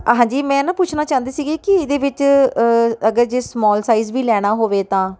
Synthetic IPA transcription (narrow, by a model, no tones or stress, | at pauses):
ɦãːd͡ʒiːmɛ̃ːnãːpʊt͡ʃʰnaːt͡ʃãːnd̪eːsiːɡeːkɪd̪eːʋɪt͡ʃ | əɡəɾd͡ʒeːsmɔːlsaːiːzʋiːlɛːɽ̃aːɦoːʋeːt̪ãː